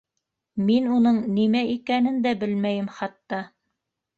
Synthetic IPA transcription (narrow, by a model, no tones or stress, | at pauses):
minunɤɴnimæikænɘnd̪æbɘlmæjɘmχɑt̪ːɑ